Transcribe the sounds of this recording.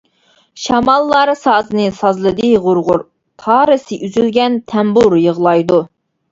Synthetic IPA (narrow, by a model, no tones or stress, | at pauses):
ʃɑmɑlˠːɑɾsɑːzɨnɨsɑzlˠɨd̪ɨʁʊɾʁʊɾ | t̪ʰɑːɾɨsɨʔyzylɡʲɛnt̪ʰɛmbuɾjəʁlˠɑjd̪u